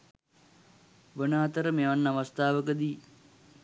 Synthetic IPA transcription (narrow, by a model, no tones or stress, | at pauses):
ʋənaːt̪əɾəmeʋanːaʋəst̪ʰaːʋəkəd̪iː